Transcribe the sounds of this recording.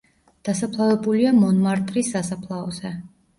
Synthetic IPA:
d̪̥asapʰlˠavɛbuliamɔnmaɾt̪ʼɾisːasapʰlˠaɔzɛ

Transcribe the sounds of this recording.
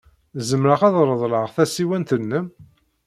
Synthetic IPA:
zəmɾəχɑðˤɾˤəðˤləʁθæsiwænt̪ənːəm

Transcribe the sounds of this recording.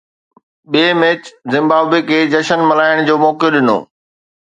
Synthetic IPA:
ɓiːmeːt͡ɕzɪ̃mbaːbekʰeːd͡ʑɐʃənmɐlaːɪɽ̃d͡ʑoːmɔːkjoɗɪno̰ː

